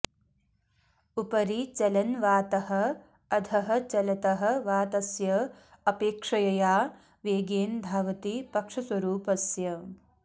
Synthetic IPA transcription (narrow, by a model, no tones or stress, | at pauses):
upɐɾit͡ʃɐlɐnʋaːt̪ɐhɐ̆ | ɐd̪ʰʱɐɦɐ̆t͡ʃɐlɐt̪ɐɦɐ̆ʋaːt̪ɐsjɐ | ɐpeːkʂɐjɐjaː | ʋeːɡeːnb̪ʱaːʋɐt̪ipɐkʂɐsʋɐɾuːpɐsjɐ